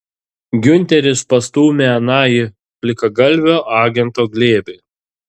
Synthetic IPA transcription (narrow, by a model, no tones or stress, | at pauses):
ɡʲʊnʲt̪ʲɛɾʲɪspɐst̪uːmʲɛɐnɑːji | pʲlʲɪkɐɡɐlʲˑʋʲoːʔɑːɡʲɛnˑt̪oːɡlʲeːbʲe